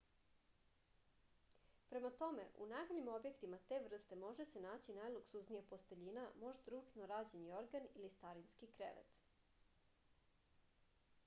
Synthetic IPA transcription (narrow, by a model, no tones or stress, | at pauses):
pɾe̞mat̪o̞me̞̰ʔṵnajmaʎimo̞bje̞kt̪imat̪e̞ʋr̩st̪e̞mo̞ʒese̞naːt͡ɕinajlˠuksuznijapo̞st̪eʎinamo̞ʒd̪ɾut͡ʂnoɾaːd͡ʑenio̞ɾɡanilist̪aɾinskikɾḛʋḛt̪